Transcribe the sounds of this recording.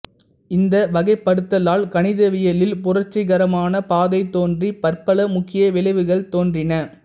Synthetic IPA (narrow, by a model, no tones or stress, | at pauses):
ɪnd̪ɐʋɐɣɐɪpːɐɽɯt̪ːɐlaːlkɐnɪðɐʋɪjɐlɪlpʊrɐɾt͡ʃːɪɣɐɾɐmaːnɐpaːðɐɪt̪ːoːndripɐrpɐlɐmʊkːɪjɐʋɪlɐɪʋɯɣɐɭt̪oːndrɪnɐ